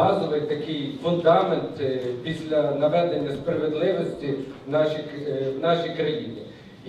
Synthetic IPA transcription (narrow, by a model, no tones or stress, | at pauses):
ɑzɔʋɪjt̪ɐkɪjfʊnd̪ɑment̪pʲisʲlʲɐnɐʋɛd̪enʲːɐspɾɐʋed̪lˠɪʋɔsʲtʲinɑʃʲiwnɑʃijkɾɐjinʲḭ